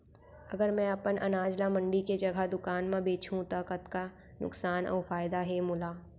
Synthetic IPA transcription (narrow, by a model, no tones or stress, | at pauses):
ɐɡəɾmɛ̃ɐpənʔɐ̰naːd͡ʒlamɐ̃ɳɖiked͡ʒɐɡʱad̪ʊkaːnmẽbeːt͡ʃʰũt̪ɐkət̪ka | nʊ̰ksaːnʔɔ̰ːɾfaːɪd̪aɦɛmʊlaː